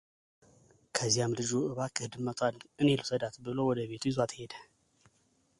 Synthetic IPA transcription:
kʰɐzijamlɨd͡ʒuʔɨβakʰɨhɨd̪ɨmɐt̪ʼanʔɨnelusɐd̪at̪bɨlo̞wɔd̪əβe̞t̪ʰujizat̪ʰɨhe̞d̪ɐ

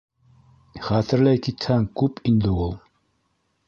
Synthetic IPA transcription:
χæt̪ɘ̆ɾlæjkit̪hæŋkʉpind̪ɘulˠ

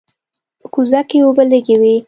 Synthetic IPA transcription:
pəkuzakeobəleɡewi

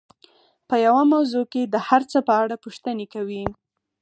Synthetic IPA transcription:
pəjawamawzoked̪əhaɾt͡səpəaɽapuʃt̪ənekawi

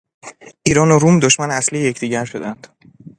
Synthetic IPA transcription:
ʔiːɾɒːnoɾumd̪oʃmænæslijeje̞cʰd̪iːɟæɾʃo̞d̪ænd̪̥

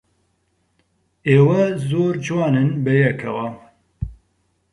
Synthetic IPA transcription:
eːwɐzoːɾd͡ʒwɑːnɨnbɛjɛkʰɛwɐ

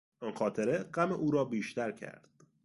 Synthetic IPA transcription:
ʔɒnxɒːt̪ʰeɾeɢæmeʔuːɾɒːbiːʃt̪æɾcʰæ̰ɾd̪̥

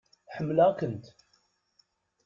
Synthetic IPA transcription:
ħəmːlakənt̪

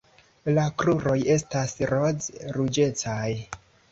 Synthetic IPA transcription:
lakɾuɾo̞je̞stasɾo̞zɾud͡ʒe̞t͡saj

